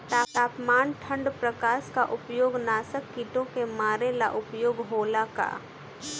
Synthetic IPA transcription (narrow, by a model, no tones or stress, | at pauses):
t̪aːaːpmaːnʈʰə̃ɳɖpɾəkaːʃkaʔʊpjoːɡnaːsəkːiʈõkemaːɾela̰ʔʊpjoːɡɦoːlaka̰